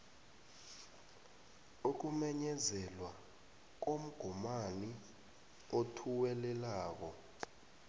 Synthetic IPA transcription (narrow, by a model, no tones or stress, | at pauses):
uk̬umɛɲɛzɛlwa | k̬om̩ɡ̥ʱumani | otʰuwɛlɛlaːk̬ɔ